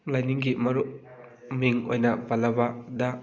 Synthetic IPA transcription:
lajniŋɡimɐɾu | miŋo̰jnɐpalɐbada

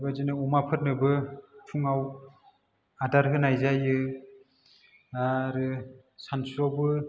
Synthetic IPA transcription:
bazinɯumapʰɯt̚nɯbɯtʰuŋaw | adaɾɦɯnajzajɯ | aɾɯ | sansɾɔbɯ

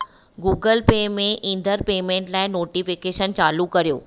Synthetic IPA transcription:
ɡuːɡəlpeːmẽʔĩːnd̪ʱəɾpeːmẽːɳʈlaːɪnoːʈifɪkeːʃənt͡ɕaːlukɐɾijo̰ː

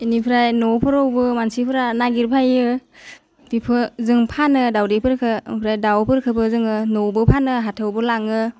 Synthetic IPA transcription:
inipʰɾajnɔwpʰɯɾowbɯmansipʰɯɾanaɡiɾpʰajɯ | bipʰɯzɯŋpʰanɯdawdipʰɯɾkʰɯpʰɾajdawpʰɯɾkʰɯbɯzɯŋɯnɔwbɯpʰanɯɦatʰɯwbɯlaŋɯ

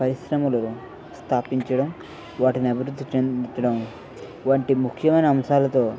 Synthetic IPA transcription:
pɐɾisɾɐmɐlɐnu | st̪ʰaːpiɲt͡ʃɐɽɐm | ʋaːʈiniɐbʱiɾud̪ʱːit͡ʃet͡ʃɐɽɐm | ʋaːɳʈimukʰːjɐmɐjnɐːmsaːlɐt̪o̞ː

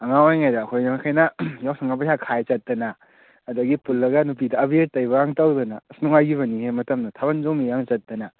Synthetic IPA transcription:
ɐŋawajŋajdaːkʰojnaakʰajnɐjawsaŋap̬asʰakʰajt͡ʃɐt̚ːɐnɐː | dɐɡipulːɐɡɐnup̬idɐːbieɾ̚tɐjbɐaŋtawdɐnɐsnuŋajɡiβɐnihemɐtɐmnɐtʰaβɐnzomijaŋt͡ʃɐt̚dɐnɐ

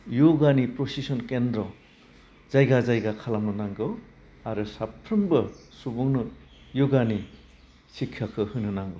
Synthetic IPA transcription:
joɡanipɾosisɔnkendɾɔ | z̥ajɡazajɡakʰalamnɯnaŋɡɯw | aɾɯsapʰːɾɯmbɯsubɔŋnɯ | joɡani | sikʰːakʰɯhɯnɯnaŋɡɯ

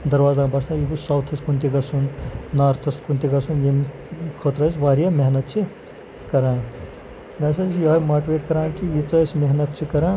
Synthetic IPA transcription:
d̪ɐɾwaːzãːbɐst̪ãjibusawt̪ʰɐskunt̪iɡɐsunnaːɾt̪ʰɐskunt̪iɡɐsunjem | kʰot̪ɾɐsʋaːɾijɐmeɦnɐt̪̚t͡ʃʰi | kɐɾãːn | mɐsɐsʰjɐɦɐjmaːʈʋeːʈkɐɾãːnkijit͡sɐsʰmeɦnɐt̪t͡ʃʰikɐɾãː

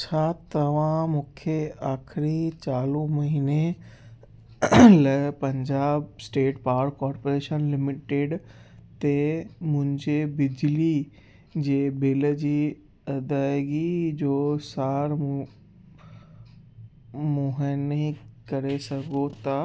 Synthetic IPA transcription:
t͡ɕʰaːt̪ɐʋ̤ãmũːkʰeaːxʰɪɾit͡ɕaːlũmɐɦiːne | lɐpɐ̃ɲd͡ʑaːbsʈeːʈpaːɾkɔːɾpoːɾeːʃənlɪmɪʈeːɖt̪emʊ̃ɦɪ̃ɲd͡ʑebɪd͡ʑli | d͡ʑeːbeːləd͡ʑiː | ɐd̪aːɪɡid͡ʑoːsaːɾ | mũɦənikɐɾesɐɡot̪a

